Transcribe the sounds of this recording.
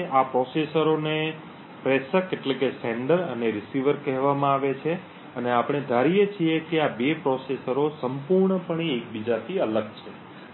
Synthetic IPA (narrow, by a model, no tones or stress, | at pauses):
apɾɔsesəɾone | pɾesəkeʈlekeseɳɖəɾəneɾɪsiʋəɾkɛɦʋamãaʋet͡ʃʰe | əneapɽ̃ed̪ʱaɾijet͡ʃʰiekeabepɾɔsesəɾosəmpuɾɳəpəɳ̃iek̚bid͡ʒat̪ʰiələɡt͡ʃʰe